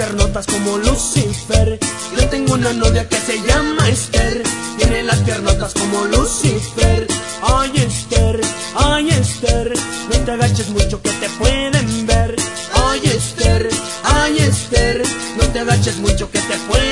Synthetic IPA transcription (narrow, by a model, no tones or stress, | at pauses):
eɾnot̪askomolusifeɾ | jot̪eŋɡounanoðjakeseʝamaest̪eɾt̪jenelaspeɾnot̪askomolusifeɾ | ajest̪eɾ | ajest̪eɾ | not̪eɣat͡ʃes̬mut͡ʃoket̪epweðembeɾ | ajest̪eɾ | ajest̪eɾ | not̪eɣat͡ʃesmut͡ʃoket̪epwe